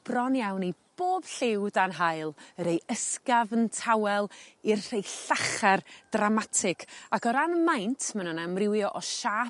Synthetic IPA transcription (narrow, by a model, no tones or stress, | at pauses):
b̥rɔnjawnib̥oːb̥ɬɪwdanɦajlˠəɾejəskavəntʰawɛlˠirr̥ejɬaχɛrd̥ramatʰɪkʰakʰɔɾanmajntʰmannamrɪwjɔʔɔʃaː